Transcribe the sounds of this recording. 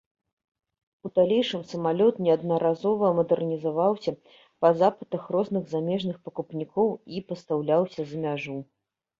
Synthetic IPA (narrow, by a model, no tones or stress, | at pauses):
ud̪alʲejʂɨmsɐmalʲɔt̪nʲɛɐd̪nɐɾazɔvɐmɐd̪ɛrnʲizavawsʲɐ | pɐzapɨt̪ɐxrɔznɨɣzamʲɛʐnɨxpɐkupnʲikʰɔwipɐst̪awlʲawsʲɐzɐmʲaʐu